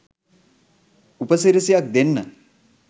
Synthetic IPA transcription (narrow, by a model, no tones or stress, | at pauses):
upəsiɾisijak̚d̪enːə